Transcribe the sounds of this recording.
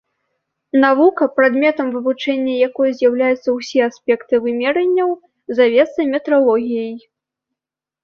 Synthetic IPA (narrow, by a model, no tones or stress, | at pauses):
navukɐpɾad̪mʲɛt̪ɐmvɨvut͡ʂɛnʲːɐjakɔjɐzʲjawlʲajut̪sːɐwsʲɛasʲpʲɛkt̪ɨvɨmʲɛɾɐnʲːɐw | zavʲɛt̪sɐmʲɛt̪ɾalˠɔɣʲijɐj